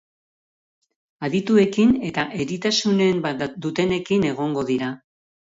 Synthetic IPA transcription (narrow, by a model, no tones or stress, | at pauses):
aðit̪ue̞kine̞t̪aʔe̞ɾit̪asune̞mbad̪ut̪e̞ne̞kine̞ɣ̞o̞ŋɡo̞ðiɾa